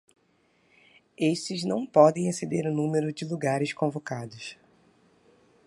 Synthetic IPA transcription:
eʃt͡ʃɪznɐ̃w̃pɔd̪ẽj̃esed̪eɾʊnũmeɾʊd͡ʒɪluɡaɾɪskõvokad̪ʊs

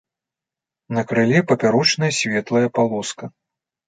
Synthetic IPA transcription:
nɐkɾɨlʲɛpɐpʲaɾɔt͡ʂnɐjɐsʲvʲɛt̪lˠɐjɐpalˠɔskɐ

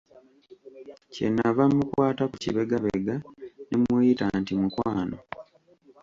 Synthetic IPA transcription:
ce̞̰nːavamːukwaːtakucḭβeɡaβḛɡanemweːjitantimukwaːno̰

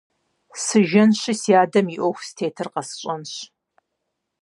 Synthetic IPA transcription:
sɨʒɐnɕɪsiaːdɐmiʔʷɔxʷstʰeːtʰɨrqɐsɨ̥ɕʼɐnɕ

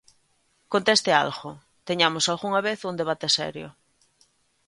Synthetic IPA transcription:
kont̪est̪ea̰lɣo | t̪eɲamosalɣuŋaβeθund̪eβ̞at̪esɛ̰ɾjʊ̰

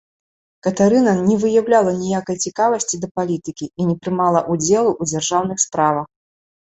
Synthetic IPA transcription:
kɐt̪aɾɨnɐnʲɛvɨjawlʲalˠɐnʲijakɐjt͡sʲikavɐsʲt͡sʲid̪ɐpalʲit̪ɨkʲiinʲɛpɾɨmalˠɐʔud͡zʲɛlˠuʔud͡zʲarʐawn̪ɨxspɾavɐx

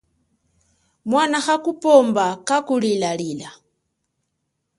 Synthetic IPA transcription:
mwanaxakupɔmbakakulilalila

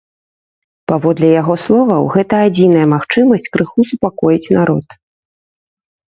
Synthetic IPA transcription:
pavɔd̪lʲɛjaɣɔslˠɔvɐwɣɛt̪ɐːd͡zʲinɐjɐmaxt͡ʂɨmɐsʲt͡sʲkɾɨxusupakɔjit͡sʲnaɾɔt̪

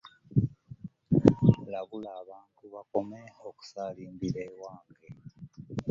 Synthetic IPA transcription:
laβulaːβaːntuβako̞me̞oku̥saliːmbiɾewaːŋɡe

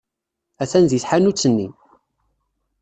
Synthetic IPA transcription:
æθænðiθħanut͡sːənːi

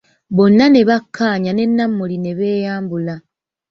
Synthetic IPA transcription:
βo̞nːane̞βakʰːaːɲane̞nːamːuline̞βe̞ːjaːmbula

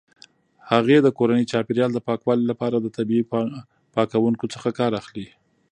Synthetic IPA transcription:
haɣed̪əkoɾanit͡ʃɑpeɾjɑld̪əpɑkwɑlilapɑɾad̪ət̪abii | pɑkawuŋkot͡səxakɑɾaxli

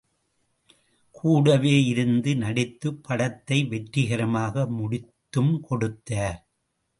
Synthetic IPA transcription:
kʰuːɽɐʋeːɪɾɯnd̪ɯnɐɽɪt̪ːɯpʰːɐɽɐt̪ːɐɪʋɛʈɾɪɣɐɾɐmaːɣɐmʊɽɪt̪ːɯmkʰɔɽɯt̪ːɐː

